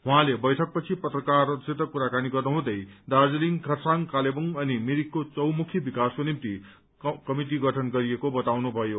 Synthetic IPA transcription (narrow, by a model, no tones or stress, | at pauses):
ɦuɦãlebʌjʈʰʌk̚pʌt͡sʰipʌt̪rʌkarʌt̪set̪ʌkuɾakaniɡʌrnuɦũd̪ʌjd̪ad͡zeliŋkʰʌsaŋkalebuŋʌnimiɾikːot͡sʌwmukʰjʌbikaskonimt̪i | kʌmiʈiɡʌʈʰʌnɡʌɾiekobʌt̪awnubʱʌjo